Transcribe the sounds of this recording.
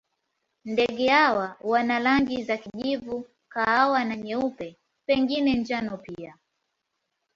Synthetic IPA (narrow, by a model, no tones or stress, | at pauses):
ndɛɠɛhawawanalaŋɡizakiʄivu | kaawanaɲɛupɛ | pɛŋɡinɛnd͡ʒanɔpia